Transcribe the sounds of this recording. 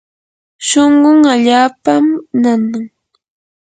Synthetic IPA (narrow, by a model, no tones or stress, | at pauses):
ʃoɴɢʊŋaʎaːpamnanaŋ